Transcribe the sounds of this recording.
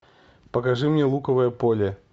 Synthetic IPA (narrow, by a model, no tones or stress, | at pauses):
pɐkaʐɨmnʲɛlˠukɐvɐjɐpolʲɛ